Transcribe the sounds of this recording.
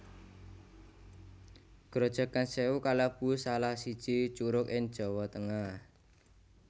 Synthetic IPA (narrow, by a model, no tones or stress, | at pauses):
ɡ̥ɾod̥ʒ̥ɔ̤kanseukaləb̥usalahsid̥ʒ̥it͡ʃuɾʊkɪŋd̥ʒ̥ɔ̤wɔt̪əŋah